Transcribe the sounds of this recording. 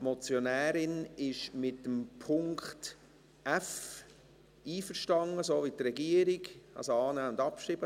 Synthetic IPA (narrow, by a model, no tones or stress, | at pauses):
mɔt͡sjonæːɾɪnɪʃmɪtːəmpʰʊŋkt | ʔæf | iːfəɾʃtɑŋːəsoːvitrɛɡiəɾiɡɑ̰lsoɑːnæːʊnd̪ɑpʃribə